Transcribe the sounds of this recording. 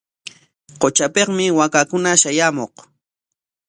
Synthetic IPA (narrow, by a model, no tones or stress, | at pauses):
qot͡ʃapeχmɪwakakʊnaʃajamoq